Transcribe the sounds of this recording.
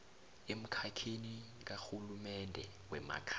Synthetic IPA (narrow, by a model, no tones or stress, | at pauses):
em̩kʰakʰeni | k̬axulumɛndʱɛ | wɛma̰kʰa